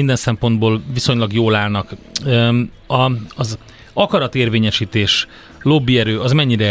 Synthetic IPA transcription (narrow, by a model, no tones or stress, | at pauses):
ind̪ɛnsɛmpo̞nd̪boːlviso̞ɲlɒɡjoːlaːlnɒkː | ɒɒz | ɒkɒɾɒt̪eːrveːɲɛʃiːt̪eːʃ | lo̞bːiɛɾøːɒzmɛɲːiɾɛ